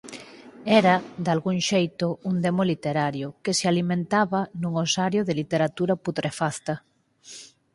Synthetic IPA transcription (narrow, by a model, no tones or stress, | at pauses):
ɛɾad̪alɣuŋʃejt̪ʊund̪emolit̪eɾaɾjokesealimẽnt̪aβanuŋosaɾjoðelit̪eɾat̪uɾaput̪ɾʔefaθt̪a